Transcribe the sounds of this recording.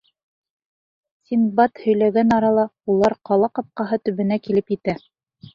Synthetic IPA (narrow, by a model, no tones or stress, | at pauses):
sʲinbɑt̪hɵ̆jlæɡænɑɾɑlˠɑulˠɑɾqɑlˠɑqɑp̚qɑɦɤt̪ɵ̆βɘ̆nækilɘpjɘ̆t̪æ